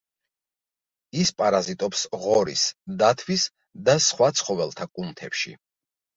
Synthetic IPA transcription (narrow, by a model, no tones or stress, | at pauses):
ispʼaɾazit̪ʼɔpsʁɔɾḭsd̪at̪ʰwis | d̪asχwat̪sʰχɔvɛlˠt̪ʰakʼunt̪ʰɛpʃḭ